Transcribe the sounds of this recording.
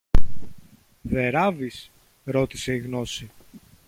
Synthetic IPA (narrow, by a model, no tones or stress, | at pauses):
ðe̞ɾɐvis | ɾo̞t̪i̥se̞iɣno̞si